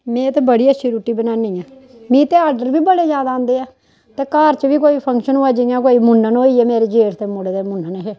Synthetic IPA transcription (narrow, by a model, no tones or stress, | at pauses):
mẽːt̪eːbəɽiːəʃʰiːɾuːʈːiːbənaːniːãː | mĩːt̪eːaːɾɖəɾʋiːbəɽeːd͡ʒaːd̪aõːnd̪eːaː | t̪eːkaːɾt͡ʃʋiːkoːiːpʰəŋkʃənaːd͡ʒɪjãːkoːiːmʊnːənoːiːɛːmeːɾeːd͡ʒeːɾt̪eːmʊɽd̪eːmʊnənɦeː